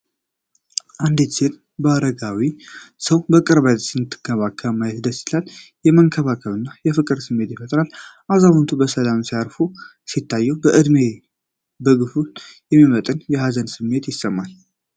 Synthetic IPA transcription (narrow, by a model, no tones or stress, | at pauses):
ʔand̪ɨt͡ʃːɪn | bəaɾəɡawisəwbəkʼɨɾbəd̪sɨnɨt̪ʰːɨ̥ɡʰəβakʰːəβmajɛt̪d̪əsɨ̥t̪ʰaljɛməŋkʰəβakʰəβɨnːajɛfɨkʼɨɾsɨmːe̞t̪jɪfət̪ʼɾalʔazaβunt̪ʰubəsəlamsiaɾfu | sit̪ʰːajːɛwbəʔɨd̪me̞ | bəɡɨfutjɛmːimət̪ʼɨnjɛhazənsɨmːe̞t̪jɪsːəmːal